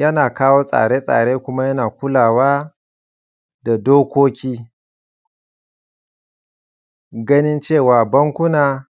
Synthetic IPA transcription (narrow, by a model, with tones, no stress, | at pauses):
jɐ˦naː˨kaː˦woː˦sʼa̰ː˨ɽeː˦sʼa̰ː˨ɽeː˦kʷʊ˦ma˦jɐ˦naː˨kʷʊ˦laː˨waː˦ | da˨doː˦kʷoː˦kʲiː˦ | ɡɐ˦nɪ˦nt͡ʃeː˦˨waː˨bɐ˦ŋkʷʊ˦naː˨